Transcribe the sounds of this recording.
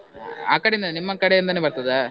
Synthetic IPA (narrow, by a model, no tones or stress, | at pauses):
a̰ːkːɐɽejnd̪annimːɐkːɐɽejend̪aːnepɐɾt̪ɐða